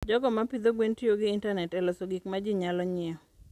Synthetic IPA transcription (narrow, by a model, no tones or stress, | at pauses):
d͡ʒɔɡɔmapid̪oɡwentjoɡɪːntanɛtɛlɔsoɡikmad͡ʒiɲalɔɲɪɔ